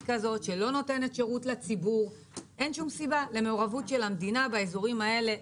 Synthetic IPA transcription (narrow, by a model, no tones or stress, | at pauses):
kazo̞tʃe̞lo̞no̞te̞ne̞tʃe̞ʁutlet͡sibuʁ | ʔe̞nʃumsibale̞me̞oʁavutʃe̞lhamd̪inabaezoʁimae̞le̞